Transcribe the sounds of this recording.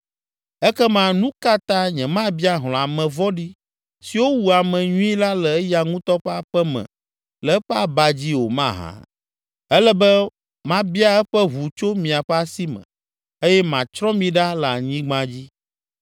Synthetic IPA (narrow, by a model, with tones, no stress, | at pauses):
ɛ˦kɛ˦mã˦nũ˦ka˦t̪ã˦ɲɛ̃˨mã˦bi˦a˦ɦl̃ɔ̃˨a˨mɛ̃˨vɔ˦ɖi˦ | si˨wo˦wu˨a˨mɛ̃˨ɲũ˦i˦la˦lɛ˨ɛ˦ja˨ŋũ˦t̪ɔ˦ɸɛ˦a˦˨ɸɛ˦mɛ̰̃˨ | lɛ˨˦ɸɛ˦a˨ba˨d͡ʑi˦wo˨mã̰˦˨ɦã̰˨ | ɛ˦lɛ˦bɛ˦ | mã˦bi˦a˦ɛ˦ɸɛ˦ɦu˨t͡ʃo˦mĩ˨a˨ɸɛ˦a˦si˦mɛ̰̃˨ | e˦jɛ˦mã˨t͡ʃɾɔ̃˦mĩ˨ɖa˦la˨ɲĩ˦ɡ͡bã˦d͡ʑi˦